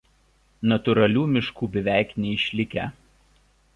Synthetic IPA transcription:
nɐt̪ʊɾɐlʲuːmʲɪʃkuːbʲɪʋʲæˑɪknʲɛɪʃʲlʲɪkʲɛ̰ˑ

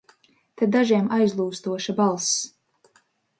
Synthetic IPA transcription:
t̪ɛd̪aʒiɛmajzlˠuːst̪uɔʃabalˠs

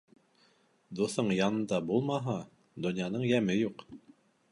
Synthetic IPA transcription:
d̪uθɤɴjɑnɤ̆nd̪ɑbulˠmɑɦɑ | d̪ŏnjɑnɤɴjæmɘjuq

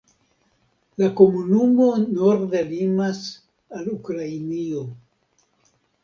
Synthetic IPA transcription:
lako̞munumo̞no̞ɾdelimas | alukɾainio̞

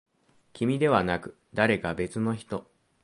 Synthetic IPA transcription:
kʲimʲid̪e̞βanakɯ̟̥ | d̪aɾe̞kabe̞t͡sɨno̞çi̥t̪o̞

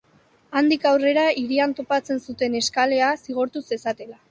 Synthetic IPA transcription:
and̪ikawre̞ɾaiɾiant̪o̞pat͡se̞nsut̪e̞ne̞skale̞asiɣ̞o̞ɾt̪use̞sat̪e̞la

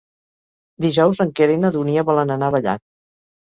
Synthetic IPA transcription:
d̪iʒɔwzəŋkeɾenəðuniəβɔlənənaβəʎa̰t̪̚

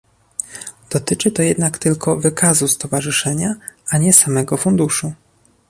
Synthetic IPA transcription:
d̪̥ɔt̪ɘt͡ʂɘt̪ɔjɛd̪nakt̪ɘlkʰɔvɘkʰazust̪ɔvaʐɘʂɛɲaaɲɛsamɛɡɔfund̪uʂu

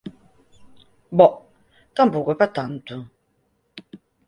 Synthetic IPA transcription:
bɔʔ | kam̩buɡəpɛtan̩tu

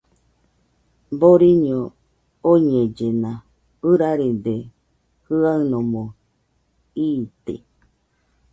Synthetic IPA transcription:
boɾiɲo | oɲẽd͡ʒenã | ɨɾaɾed̪e | hɯaɨnõmõ | iːt̪ḛ

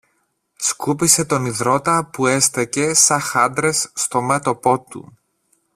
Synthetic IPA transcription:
skupise̞t̪o̞niðɾo̞t̪ɐpue̞st̪ece̞sɐxɐnd̪ɾe̞sːt̪o̞met̪o̞po̞t̪ṵ

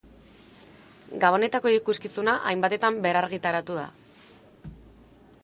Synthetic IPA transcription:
ɡaβ̞o̞ne̞t̪ako̞iɾikuskisunaʔajmbat̪e̞t̪ambe̞ɾaɾɣit̪aɾat̪uð̞a̰

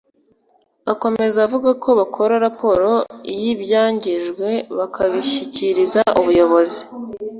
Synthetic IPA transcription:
ako̞me̞zaavuɡakʰo̞βakʰo̞ɾaɾapo̞ɾo̞ijibjaːɲɟiʒɡwe̞βakʰaβiçiciɾizaʔuβujo̞βo̞zi

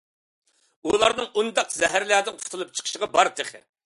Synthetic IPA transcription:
ulˠɑɾnɨŋʔund̪ɑqzɛɦæɾlæːd̪ɪnqʰʊ̥t̪ʰulˠup̚t͡ʃʰə̥qʰə̥ʃəʁɑbɑɾt̪ʰeχɪ̰

